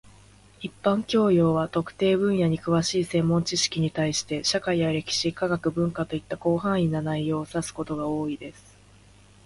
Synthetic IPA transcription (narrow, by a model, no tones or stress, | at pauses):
ipːãŋkʲo̞ːjo̞ːβat̪o̞kɯ̟̥t̪e̞ːbɯ̟̃ɰ̃jaɲ̟ikɯ̟βaɕiːsẽ̞mːõ̞ɲt͡ɕiɕi̥kʲiɲ̟it̪aiɕi̥t̪e̞ɕakaijaɾe̞kʲi̥ɕikaɡakɯ̟bɯ̟̃ŋkat̪o̞it̪ːako̞ːɦãɰ̃inːanaijo̞ːsasɨ̥ko̞t̪o̞ɡao̞ːid̪e̞sɨ̥